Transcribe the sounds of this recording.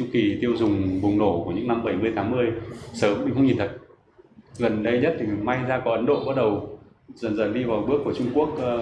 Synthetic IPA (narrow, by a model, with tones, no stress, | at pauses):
ʊ˧ki˨˩t̪i˧əwzʊ˨˩ŋ͡mvʊ˨˩ŋ͡mno˧˩ku˧˩əɲɨ̰˧˥ŋna˧mɓə˧˩jmɨ˧əjt̪ʰaː˨˦ŋmɨ˧əjsəː˨˦mːï˧ŋxə˧wɲi˨˩nt̪ʰə˨˩t̚ | ɣə˨˩nɗə˧jɲə˦˥t̚t̪ʰi˨˩ma˧jzaː˧kɔ˨˦ʔə˨˦nɗo̰˧˨ɓa˦˥t̚ɗə˨˩w | zə˨˩nzə̰˧˩nɗi˧vaː˨˩ɓɨ˦˥əkːu˧˩ət͡ɕʊ˧ŋ͡mku˦˥ək̚ː